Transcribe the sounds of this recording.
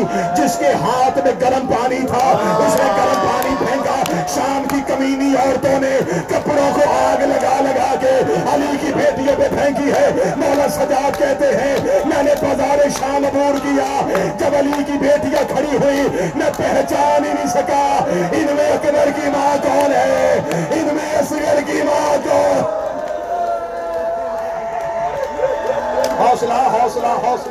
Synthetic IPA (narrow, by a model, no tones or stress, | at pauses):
d͡ʒɪskeɦaːt̪ʰmẽɡɐɾəmpaːnit̪ʰaʊseɡɐɾəmpaːnibʱɛ̃ːkaʃaːmkikɐmiːniɔːɾt̪õnekɐpɽõkoʔaːɡlɐɡalɐɡaːkeɐlikibeːʈijãbɐd̪ʱɛ̃ːkiɦɛnɔːləɾsɐd͡ʒaːd̪̚kɛɦt̪eɦɛ̃mɛ̃ːnebɐzaːɾeʃaːlboːɾkijaːd͡ʒɐbɐlikibeːʈijãkʰɐɽiɦʊinɐpɛɦt͡ʃaːninĩsɐkaːɪnmẽkɐməɾkimaːkɔːnɦɛːɪnmẽsɪɡəɾkimaːkɔːn | ɦɔːslaɦɔːslaɦɔː